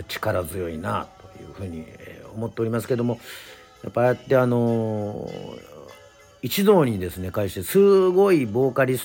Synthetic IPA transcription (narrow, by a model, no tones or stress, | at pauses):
t͡ɕi̥kaɾazɨjo̞ina̰t̪o̞jɯ̟̰ːɸɯ̟ːɲ̟iḛo̞mo̞t̪ːe̞o̞ɾʲimasɨ̥ke̞d̪o̞mo̞ | japːaat̪ːe̞ano̞ | it͡ɕid̪o̞ːɲ̟id̪e̞sɨne̞kaiɕi̥t̪e̞sɨɡo̞ibo̞ːkaɾʲis